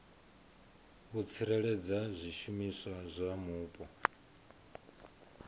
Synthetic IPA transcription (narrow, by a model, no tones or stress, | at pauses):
ɣut͡sʰiɾɛɺɛd͡zazʷiʃumisazʷamuːpʼɔ